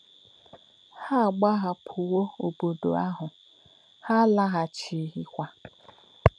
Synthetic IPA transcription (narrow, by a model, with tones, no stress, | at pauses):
ha˦˨ɡ͡ba˦ɦa˦pʰʊ˨wo˦o˨bo˨do̰˨a˦ɦʊ˨ | ha˦la˦ɦa˨t͡ʃi˨˦ɦi˦kʷa˦